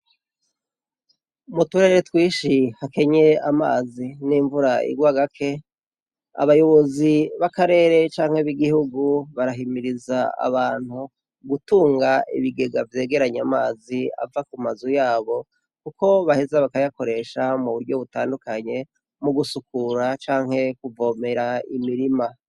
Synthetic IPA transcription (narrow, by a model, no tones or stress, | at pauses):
mutuɾeɾetwiːʃihake̞ɲe̞ama̰ːziniːɱvuɾaḭɡwaːɡakʰe̞ | a̰βajo̞βo̞ziβakaɾe̞ːɾe̞t͡ʃaːŋ̥heβiɡihuɡuβaɾaɦimiɾizaa̰βaːn̥hu | ɡutuːŋɡaḭβiɡe̞ɡavje̞ːɡe̞ɾaɲamaːzia̰vakumazujaːβo̞ | kuko̞βahezaβakajako̞ɾe̞ʃamuβuɾɟo̞βutaːndukaɲe̞ | muɡusukuɾat͡ʃaːŋɦhe̞kuvo̞me̞ɾaimiɾima